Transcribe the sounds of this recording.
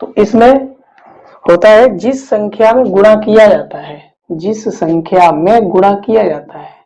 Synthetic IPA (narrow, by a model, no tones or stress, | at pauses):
t̪oʔɪsmẽ | hoːt̪aɦɛd͡ʒɪsːə̃ŋkʰjamẽɡʊɽ̃akijad͡ʒaːt̪aɦɛː | d͡ʒɪssə̃ŋkʰjamẽɡʊɽ̃akijad͡ʒaːt̪aɦɛː